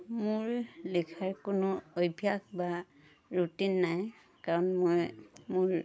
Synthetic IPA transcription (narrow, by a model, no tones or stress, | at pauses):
mʊɹlikʰaɹkʊnʊojbʱjakba | ɹutinːaj | kaɹɔnmojmʊɹ